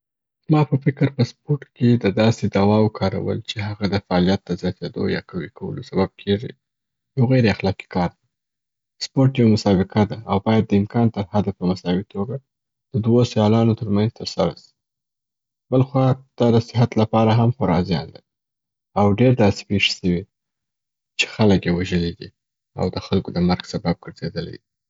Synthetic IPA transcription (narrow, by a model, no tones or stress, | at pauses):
mɑpəfɪkɾpəspoɾʈked̪əd̪ɑsed̪awɑwkʰɑɾa̰wə̰lt͡ʃeɦaɣad̪əfaːlijat̪̚d̪əzjɑt̪ed̪o̰jɑ̰kawikʰawə̰losabab̚kʰeʐḭ | jawɣajɾeaxlɑki̥kʰɑɾd̪a | spoɾʈjawmʊsɑbɪqad̪aawbɑjad̪̚ːəɪmkɑnt̪əɾhad̪apəmasɑwit̪oɡa | d̪̥əd̪wosjɑlɑnot̪əɾmanz̥t̪əɾsaɾa̰si̥ | b̥əlxwɑd̪̥ɑd̪əsɪɦat̪lapɑɾaɦamxaɾɑzjɑ̰nlaɾi | awɖeɾd̪ɑse̥peʂi̥səwi | t͡ʃe̥xaləkjewaʒəlid̪i | a̰wd̪əxalkod̪əmaɾɡsabab̚ɡəɾzed̪əla̰jd̪i